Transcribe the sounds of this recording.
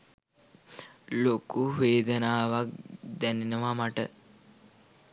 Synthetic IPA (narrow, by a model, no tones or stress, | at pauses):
lokuʋeːd̪ənaːʋak̚d̪æninəʋamaʈə